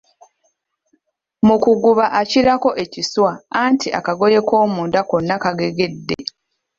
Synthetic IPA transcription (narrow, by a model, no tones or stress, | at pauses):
mukuɡuβaʔaciɾako̞ʔe̞ciswaantʰiʔa̰kaɡo̞je̞ko̞ːmundakonːakaɡe̞ɡe̞dːe̞̰